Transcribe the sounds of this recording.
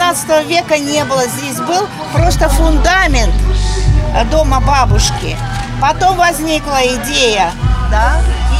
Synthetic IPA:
nat̪sə̥t̪əvəvʲe̞kənʲe̞bɨlˠəzʲdʲesʲbɨlˠ | pɾo̞st̪əfʊnd̪amʲɪnt̪ | d̪o̞mɐbabʊʂkʲɪ̰pɐt̪o̞mvɐzʲnʲiklˠəɪdʲejəd̪a

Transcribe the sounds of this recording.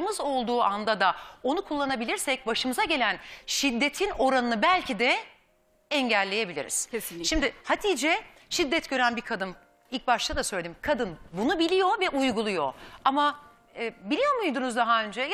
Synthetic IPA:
mɯzo̞lˠd̪uːʔand̪ad̪ao̞nukʰulˠːanabilʲiɾsɛc̚baʃɯmɯzaɟe̞lʲænʃid̪ːe̞t̪ʰino̞ɾanɯnɯbælʲcʰid̪ɛ | ɛɲɟælʲːe̞je̞bilʲḭɾḭz̥ʃimd̪ɪhat̪ʰiːd͡ʒɛ | ʃid̪ːɛt̪ɟø̞ɾænbikʰad̪ɯn | ilʲc̚baʃt̪ʰad̪asø̞jlʲeimkʰad̪ɯnbunubilʲijo̞vɛʔujɡulˠujo̞̰ama | ɛbilʲijo̞mujd̪unuzd̪aɦaø̞nd͡ʒɛj

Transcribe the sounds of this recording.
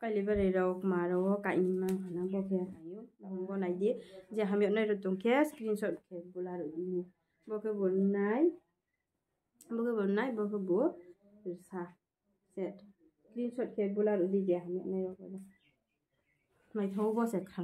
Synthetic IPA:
kajlibaɾɯjɾawkmaɾɔka̰jnimaŋkʰanabɔkʰenajubaɡɔŋbɔnajdiziaɦamiɔt̚najɾɔtɔŋkʰɛskɾinsɔt̚kʰɛbulaɾɔdini | bɔkʰebɔlnaj | bɔkʰebɔlunajbɔkʰeɡɔ | biɾsa | sɛt | kɾinsɔt̚kʰɛt̚bulaɾudiziaɦamiɔʔnajɾɔka̰dɔ | majtʰɔwbɔsɛkʰa

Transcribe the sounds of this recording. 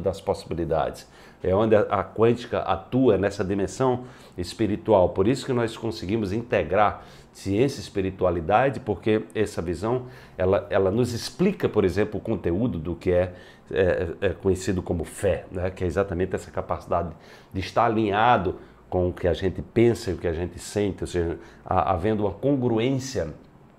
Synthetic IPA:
d̪ɐsposibilid̪a̰d̪ɪs | ɛõnd̪ɪɐʔɐkwɐ̃nt͡ʃi̥kɐ̰ʔa̰t̪uɐnɛsɐd̪imẽsɐ̃w̃ | ɪspiɾit̪uawpoɾisʊ̥kɪnɔskõsɪɡĩmʊzĩnt̪eɡɾaɾ | siẽsjiɐispiɾit̪ualid̪ad͡ʒɪpoɾkeɛsɐvizɐ̃w̃ | ɛlɐɛlɐnʊzɪsplikɐpoɾezẽmplʊkõnt̪eud̪ʊd̪ʊkɪɛ | ɛɛkõɲesid̪ʊkõmʊfɛnɛkɪɛizat̪ɐmẽnt̪ɪɛsɐ̥kapasid̪ad̪ɪ | d̪ɪiʃt̪aɾalĩɲad̪ʊ | kõʊkɪaʒẽnt̪ɪpẽsɐiʊkɪaʒẽnt̪ɪsẽnt̪ɪoseʒɐa̰ʔa̰vẽnd̪ʊũmɐkõŋɡɾuẽsjɐ

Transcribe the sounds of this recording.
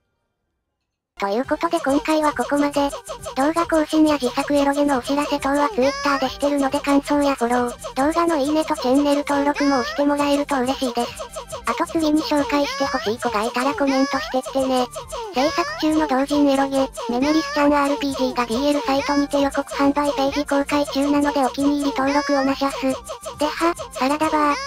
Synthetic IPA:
t̪o̞jɯ̟ːko̞t̪o̞d̪e̞kõ̞ŋkaiβ̞ako̞ko̞mad̪e̞d̪̥o̞ːɡako̞ːɕinʲijaʑisakɯ̟eɾo̞ɡeno̞ːɕiɾase̞t̪o̞ːβat͡sɨit̪ːaːd̪e̞ɕi̥t̪e̞ɾɯ̟no̞d̪e̞kãɰ̃so̞ːjahoɾõ̞d̪̥o̞ːɡano̞iine̞t̪o̞t͡ɕẽ̞nːe̞ɾɯ̟t̪o̞ːɾo̞kɯ̟mo̞ːki̥t̪e̞mo̞ɾae̞ɾɯ̟t̪o̞ɯ̟ɾe̞ɕiːd̪e̞sɨ̥at̪o̞t͡sɨɲimiɕo̞ːkaiɕi̥t̪e̞ho̞ɕiːko̞d̪ait̪aɾakomẽ̞nt̪o̞ɕi̥t̪e̞t̪ːe̞ne̞se̞ɰsakɯ̟̥t͡ɕɨːno̞d̪o̞ːʑiɲeɾo̞ɡime̞mo̞ɾʲisɨ̥t͡ɕanoaɾɯ̟pʲiːʑiːɡad̪ʲiːeɾɯ̟sait̪o̞ɲ̟it̪ejoko̞kɯ̟̥hãnzaipe̞ːʑiko̞ːkait͡ɕɨːnano̞d̪e̞o̞kʲiɲ̟iːɾʲit̪o̞ːɾo̞kɯ̟onaɕiβasɨd̪̥e̞hasaɾad̪aba

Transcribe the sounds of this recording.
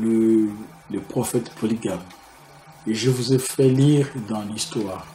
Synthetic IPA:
lə | ləpχɔfɛt̪pʰɔliɡam | eʒəvuzefɛliʁd̪ɑ̃list̪waːʁ

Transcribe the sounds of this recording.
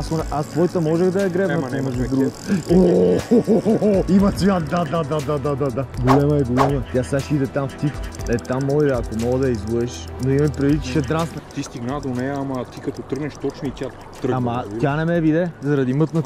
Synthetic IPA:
asonɛʔast̪vɔjt̪əmɔʒɛɣd̪ɐɛɡɾɛvɐnɛmɛʒd̪ud̪ɾuɡt̪o | imɐsiad̪ad̪ad̪ad̪ad̪ad̪ad̪aɡolɛmɐɛɡolɛmɐt̪ʲasaʃid̪ɛt̪amft̪ikɛt̪amːɔid̪ɛɐkomɔɡəd̪ɐizvˠuɛʃnoimɐmipɾɛd̪it͡ʃi̥ʃɛd̪ɾasnɐt̪ist̪iɡnad̪onɛjɐːmɐt̪ikɐt̪ot̪ɾəɡnɛʃt̪ɔt͡ʃnʊit̪ʲja | t̪ɾəɐmɐt̪janɛmɛvid̪ɛzɐɾɐd̪imɤt̪nɐ

